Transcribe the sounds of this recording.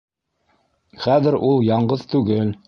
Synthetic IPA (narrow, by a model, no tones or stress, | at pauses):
χæðɘ̆ɾulˠjɑɴɢɤðt̪ʉɡɘl